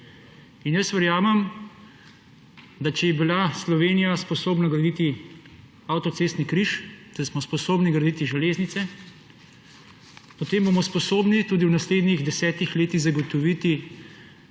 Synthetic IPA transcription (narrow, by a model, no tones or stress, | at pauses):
injəsʋəɾjaːmɛm | d̪at͡ʃɛjɛbilaslɔʋeːnijaspɔsoːbnaɡɾad̪it̪i | awt̪ɔt̪seːst̪nikɾiʃt̪ɛsmɔspɔsoːbniɡɾɐd̪it̪iʒɛleːznit̪sɛ | pɔt̪eːmbomɔspɔsoːbnit̪uːd̪iwnasleːd̪niɣd̪ɛsɛːt̪ixleːt̪iɣzaɡɔt̪ɔʋit̪i